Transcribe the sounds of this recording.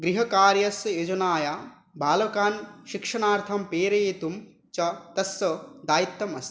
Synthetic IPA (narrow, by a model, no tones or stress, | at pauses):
ɡɾiɦɐkaːɾjɐsjeːd͡ʒɐnaːjaː | bʱaːlɐɐkaːnʃikʂɐɳaːɾt̪ʰampeːɾɐjet̪um | t͡ʃɐt̪ɐsɐd̪aːjit̪ːɐmɐst̪